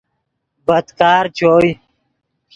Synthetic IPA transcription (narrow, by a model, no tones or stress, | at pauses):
bəd̪kaːɾt͡ɕoːj